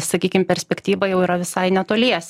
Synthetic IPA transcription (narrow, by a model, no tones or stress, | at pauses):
sɐkʲiːkʲɪmpʲɛɾʲsʲpʲɛkt̪ʲiːʋɐjɛʊiːɾɐʋʲɪsɐɪnʲɛt̪oːlʲiɛsʲ